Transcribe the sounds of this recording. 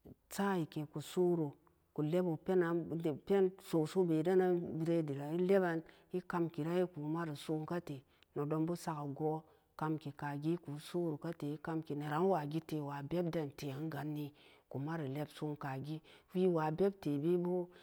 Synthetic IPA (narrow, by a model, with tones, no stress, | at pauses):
t͡sa˦˨i˨ke˨ku˨su˦ɾu˨ | ku˨le˦bu˨pe˦na˨pe˦nso˨so˦be˨da˦na˦bi˨ɾe˦di˨ɾa˨i˦le˦ba˦n | i˦ka˧mki˨ɾa˦ji˦ku˨˦ma˦ɾi˨su˦ŋka˦te˨ | no˨do˧nbu˦sa˦ka˨ɡo˦ | ka˧mki˨ka˨ɡi˦ku˨˦su˦ɾu˨ka˦te˨i˦ka˦mki˨na˨ɾa˨˦n˦wa˨ɡi˦te˨wa˨be˦b̚da˦˨nte˨a˨˦ŋ˦ɡa˨˦nːi˦ | ku˨ma˦ɾi˨le˦bsu˦ŋka˨ɡi˦fi˦wa˨be˦b̚te˨bi˦bu˦